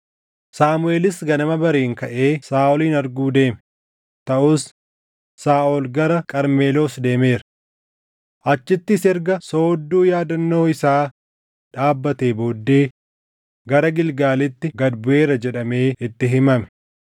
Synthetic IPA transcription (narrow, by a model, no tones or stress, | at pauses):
saːmʊe̞ːlɪsɡɐnɐmɐbɐɾeːŋkɐʔe̞ːsaːʔɔliːnɐɾɡuːd̪e̞ːmɛ̥ | t̪ɐʔuːsː | aːʔɔlɡɐɾɐkʼɐɾme̞ːloːsd̪e̞ːme̞ːɾɐ | ʔɐt͡ʃːɪt̪ːɪsɛɾɡɐso̞ːd̪ːuːjaːd̪ɐnːo̞ːɪsaː | ᶑaːbːɐt̪e̞ːbo̞ːd̪ːe̞ː | ɡɐɾɐɡɪlɡaːlɪt̪ːɪɡɐd̪bʊʔe̞ːɾɐd͡ʒɛᶑɐme̞ːɪt̪ːɪɦɪmɐmɛ̥